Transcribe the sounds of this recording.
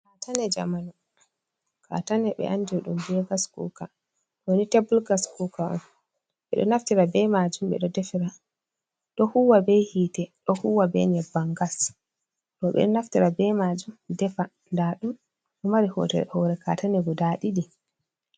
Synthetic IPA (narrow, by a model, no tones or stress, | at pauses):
katanɛd͡ʒamanu | kʰa̰tanɛɓɛ̰ʔandiɗṵmbɛɡaskṵka | ɗɔwonitebulɡaskukaɔ̰n | ɓɛ̰ɗɔ̰naftiɾabɛmad͡ʒumɓɛ̰ɗɔdɛfiɾa | ɗɔhuwabɛhiːtɛɗɔhuwabɛ̰ɲɛbaŋɡas | ɗɔɓɛ̰ɗɔnaftiɾabɛmad͡ʒumdɛfa | ndaɗum | ɗɔmaɾihɔ̰tɛ̰hɔɾɛka̰ːtanɛɡɔdaɗiɗi